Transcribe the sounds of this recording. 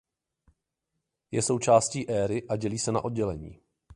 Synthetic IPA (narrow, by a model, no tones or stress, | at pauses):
jɛso̞wt͡ʃaːsciːʔɛːɾɪʔaɟɛliːsɛna̰ʔo̞d̚ɟɛlɛɲḭː